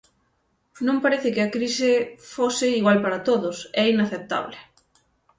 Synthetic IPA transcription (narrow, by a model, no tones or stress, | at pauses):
nõmpaɾeθɪkɪɐkɾisɪfosɪiɣwalpaɾɐt̪oðʊsɛinaθep̚t̪a̰βlɪ